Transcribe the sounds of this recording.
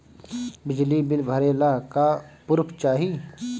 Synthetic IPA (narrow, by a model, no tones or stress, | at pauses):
bɪd͡ʒlibɪlbʱəɾeːlaɦkapʊɾpʰt͡ʃaːɦi